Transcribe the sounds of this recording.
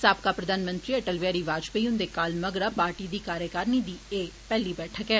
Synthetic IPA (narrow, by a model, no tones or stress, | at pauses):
saːpkaːpɾəd̪aːnmə̃nt̪ɾiːəʈəlʋaːɾiːʋaːd͡ʒpəiʊ̃nd̪eːkaːlməɡɾaːpaːɾʈiːd̪iːkaːɾjəkaːɾnid̪iːeːpɛːliːbɛːʈʰəkɛː